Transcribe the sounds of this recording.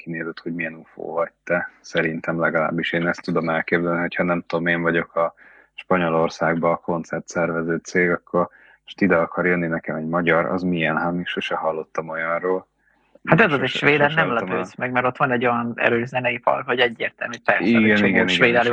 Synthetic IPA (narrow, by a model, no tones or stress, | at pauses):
kineːzɛt̪ho̞ɟmijɛnufo̰ːvɒc̚t̪ɛsɛɾint̪ɛmlɛɡɒla̰ːbːiʃeːnɛst̪ːud̪o̞mɛlkeːbzɛlniɦo̞cʰhɒnɛmt̪ud̪omeːɱvɒɟo̞kʰɒ | ʃpɒɲo̞lo̞rsaːɡbɒːko̞nt̪sɛrt̪sɛrvɛzøːt̪seːɡɒkʰːo̞r | o̥ʃt̪id̪ɛɒkɒrjønːinɛkɛmɛɟmɒɟɒɾɒ̰zmijɛnɦamiʃøʃɛɦɒlːo̞t̪ːɒmo̞jɒnroːl | hat̪ɛzozeʃʋeːd̪ɛɾnɛmlɛpøzmɛɡmɛɾo̞t̪ʋɒnɛɟːo̞jɒnɛ̰ɾøːzɛnɛjipɒ̰lkho̞ɟɛɟːḛːrt̪ɛlmypɛrsiɛɡɛniɡɛniʃɡʋeːd̪ɛl